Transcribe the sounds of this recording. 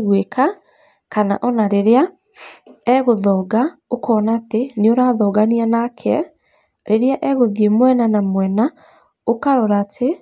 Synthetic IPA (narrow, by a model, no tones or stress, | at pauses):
ɣwekʰa | kana̰ʔɔnaɾeɾea | ɛɣoðɔːɡa | okɔːnaːteneoɾaðɔɡanianakʰɛ | ɾeɾeaʔɛɣoðiemwɛnanamwɛna | okaɾɔɾaːtʰe